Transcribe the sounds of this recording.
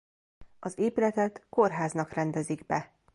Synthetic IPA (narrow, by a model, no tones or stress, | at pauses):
ɒzeːpylɛt̪ɛt̪ko̞rɦaːznɒkrɛnd̪ɛziɡbɛ